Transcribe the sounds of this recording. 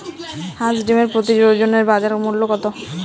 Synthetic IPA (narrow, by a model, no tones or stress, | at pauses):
hãd͡ʑɖimeɾpɾot̪id͡ʑod͡ʑoneɾbad͡ʒaɾmulːokɔt̪o